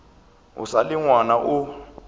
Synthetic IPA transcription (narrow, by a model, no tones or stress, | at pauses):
ʊ̰salɪŋwanaʔʊ